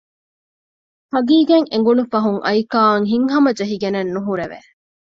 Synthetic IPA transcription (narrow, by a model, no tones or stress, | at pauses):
hɐɡiːɡeŋeŋ̆ɡunufɐɦuŋʔɐ̰jkaːŋɦiŋɦɐmɐd͡ʒɐɦiɡenɐnːuɦuɾeʋḛ